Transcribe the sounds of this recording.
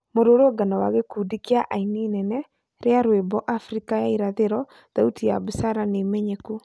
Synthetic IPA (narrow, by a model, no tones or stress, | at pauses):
moɾoɾoɡanawaɣekuːdikiaʔaininɛnɛ | ɾeaɾwebɔʔafɾikajaiɾaðeɾɔ | ðautijaβusaɾanemɛɲeku